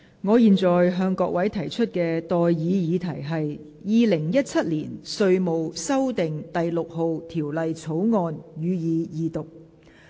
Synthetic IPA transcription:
ŋɔː˨˧jiː˨nt͡sɔː˨˩jɦœː˧ŋkɔː˧k̚wɐ˨˥jt̪ʰɐ˨˩jt͡ʃʰɵ˥t̚kɛː˧t̪ɔː˨jjiː˨˧jiː˨˧t̪ʰɐ˨˩jɦɐ˨j | jiː˨lɪ˨˩ŋjɐ˥t̚t͡sʰɐ˥t̚liː˨˩nsɵ˧ɥmo˨wsɐ˥wt̪ɪ˨˩ŋt̪ɐ˨jlʊ˨k̚ho˨wt̪ʰiː˨˩wlɐ˨jt͡sʰo˨˥wŋɔː˧njyː˨˧jiː˨˧jiː˨˧t̪ʊ˨k̚

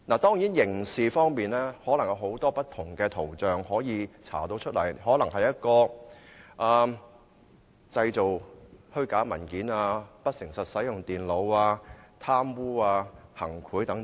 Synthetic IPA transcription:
naː˨˩t̪ɔː˥ŋji˨˥njɪ˨˩ŋsiː˨fɔː˥ŋpiː˨nlɛː˥hɔː˨˥lɐ˨˩ŋjɐ˧wɦo˨˥wt̪ɔː˥pɐ˥t̚t̪ʰʊ˨˩ŋkɛː˧t̪ʰo˨˩wt͡ʃœː˨ŋhɔː˨˥jiː˨˧t͡sʰa̰ː˨˩t̪o˧wt͡ʃʰɵ˥t̚lɐ̰˨˩jhɔː˨˥lɐ˨˩ŋɦɐ˨jɐ˥t̚kɔː˧ | ʔaː˨ | t͡sɐ˧jt͡so˨whɵ˥ɥkaː˨˥mɐ˨˩nkiː˨˥naː˧pɐ˥t̚sɪ˨˩ŋsɐ˨t̚sɐ˨˥jʊ˨ŋt̪iː˨˩nlo˨˧waː˧t̪ʰaː˥mwuː˥aː˧hɐ̰˨˩ŋkʰuː˨˥jt̪ɐ˨˥ŋ

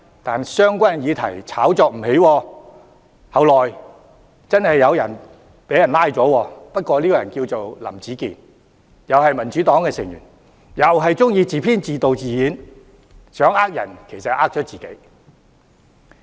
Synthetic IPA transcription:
t̪aː˨nsœː˥ŋkʷɐ˥njiː˨˧t̪ʰɐ˨˩jt͡sʰaː˨˥wt͡sɔː˨˧k̚m̩˨˩he˨˥jwɔː˧ | hɐ˨˧wlɔː˨j | t͡sɐ˥nhɐ˨jːɐ˨˧wjɐ̰˨˩n | pe˨˥jɐ˨˩nlaː˥jt͡sɔː˨˥wɔː˧pɐ˥t̚kʷɔː˧liː˥kɔː˧jɐ̰˨˩nkiː˧wt͡so˨wlɐ̰˨˩mt͡siː˨˥kḭː˨n | jɐ˨wɦɐ˨jmɐ˨˩nt͡ʃyː˨˥t̪ɔː˨˥ŋkɛː˧sɪ˨˩ŋjyː˨˩n | jɐ˨wɦɐ˨jt͡sʊ˥ŋjiː˧t͡siː˨˩pʰiː˥nt͡siː˨t̪o˨wt͡siː˨jiː˨˥n | sœː˨˥ŋaː˥k̚jɐ̰˨˩nkʰe˨˩jsɐ˨t̚ʔaː˥k̚t͡ʃʰɔː˨˥t͡siː˨ke˨˥j

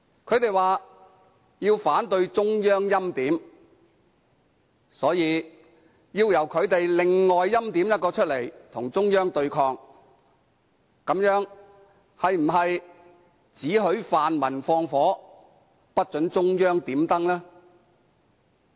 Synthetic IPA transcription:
kʰɵ˨˧ɥt̪e˨jwaː˨ | jiː˧wfaː˨˥nt̪ɵ˧ɥt͡sʊ˥ŋjœː˥ŋjɐ˥mt̪iː˨˥m | sɔː˨˥jiː˨˧ | jiː˧wjɐ˨˩wkʰɵ˨˧ɥt̪e˨jlɪ˨ŋːɔː˨jːɐ˥mt̪iː˨˥mjɐ˥t̚kɔː˧t͡ʃʰɵ˥t̚le˨˩jt̪ʰʊ˨˩ŋt͡sʊ˥ŋjœː˥ŋt̪ɵ˧ɥkʰɔː˧ŋ | kɐ˨˥mjœː˨˥ŋ | hɐ˨jm̩˨˩ɦɐ˨j | t͡siː˨˥ɦɵ˨˥ɥfaː˨nmɐ˨˩nfɔː˧ŋfɔː˨˥ | pɐ˥t̚t͡ʃɵ˨˥nt͡sʊ˥ŋjœː˥ŋt̪iː˨˥mt̪ɐ˥ŋlɛː˥

